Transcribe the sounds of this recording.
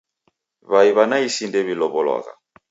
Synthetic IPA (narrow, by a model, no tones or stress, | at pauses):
βaiβanaisindɛβilɔβɔlɔ̰ɣa̰